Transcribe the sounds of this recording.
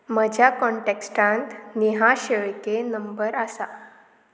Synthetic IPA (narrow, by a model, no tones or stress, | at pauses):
məd͡ʑʱjakɔɳʈeksʈãnt̪niɦaɕeɭkenəmbəɾasa